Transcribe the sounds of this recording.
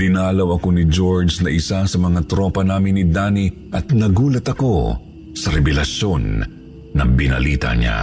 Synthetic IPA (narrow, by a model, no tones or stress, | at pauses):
d̪̥ɪnaːlɐwɐko̞nɪd͡ʒoɹd͡ʒnɐʔɪsasɐmɐŋat̪ɾopɐnaːmɪnːɪd̪aːni | ʔɐt̪nɐɡuːlɐt̪ɐko̞ | sɐɾɛbɛlɐʃonː | ɐbɪnɐ̰liːt̪ɐ̰ɲa̰